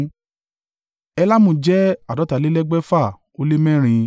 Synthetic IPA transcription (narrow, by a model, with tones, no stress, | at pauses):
ɛ˧la˦mõ˧d͡ʒɛ˦a˨dɔ˨˦ta˨le˦lɛ˦ɡ͡bɛ˦fa˦˨ | o˧le˦mɛ̃˦˨ɾ̃ĩ˧